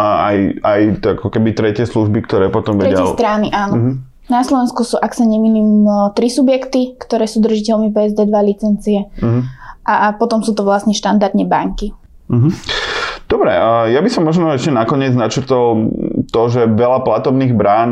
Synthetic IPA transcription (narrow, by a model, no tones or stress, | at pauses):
ajajakɔkɛbit̪ɾɛcɪɛsluʒbikt̪ɔɾɛːpɔt̪ɔmʋɛɾɛɛlɛst̪ɾaːniʔaːnɔɦ | naslɔʋɛnskusuːʔaksaɲɛminimt̪ɾisubjɛkt̪ikt̪ɔɾɛːsuːd̪r̩ʒicɛlmipɛɛzd̪ɛːd̪ʋalit͡sɛnt͡siɛɦʔapɔt̪ɔmsuːt̪ɔʋlasɲɛʃt̪and̪aɾd̪ɲɛbaŋki | ɦ̩ | d̪̥ɔbɾɛ̰jabisɔmːɔʒnɔɛʃcɛnakɔɲɪɛd͡znat͡ʃɾ̩t̪ɔlt̪ɔʒɛʋɛlaplat̪ɔbniːɣbɾaːn